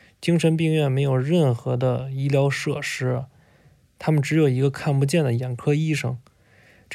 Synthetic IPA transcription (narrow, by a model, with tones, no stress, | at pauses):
t͡ɕi˥ŋʂə˧˥np̬i˥˧ŋɥɛ˥˩nme˧˥ɪjo˨˩ʊɻə˥˩nxɤ˧˥d̪ə˧i˥ljɑ˧˥ʊʂɤ˥˩ʂɻ̩˥ | t̪ʰa˥mə˨nʈ͡ʂɻ̩˧˥jo˨˩ʊi˧˥ɡə˧kʰa˥˩npu˧˥t͡ɕjɛ˥˩nd̪ə˩jɛ˨˩nkʰɤ˥i˥˩ʂɤ̰˨˩ŋ | ʈ͡ʂ